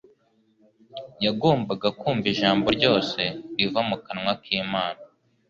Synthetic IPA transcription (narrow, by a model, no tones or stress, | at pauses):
jaɡoːmbaɡakuːmviʒaːmboɾɟo̞ːse̞ivamukanŋwakʰiːmaːna